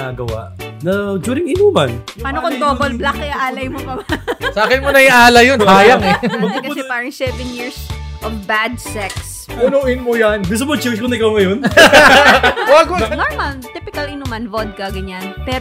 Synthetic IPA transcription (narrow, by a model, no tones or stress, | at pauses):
a̰ɡɐwa̰ʔnɐd͡ʒuːɾɪŋɪnuːmɐnpaːnokont̪oːbolblakːɪaʔaːlɐjmokɐbasɐʔaːkɪnmonɐjʔaːlɐjonaːjaŋbɐɡ̚t̪pkɐʊɛpaːɹɐŋsɛvɛnjiɹsʔovbad̪̚sɛks | pʊnoʔɪnmojanvis̬ɐbolt͡ʃɛwskonɐɪkawŋɐjon | waɡonoɹmɐlt̪ipɪkɐlɪnumɐnvod̪̚kɐɡɐɲanpɛːɾ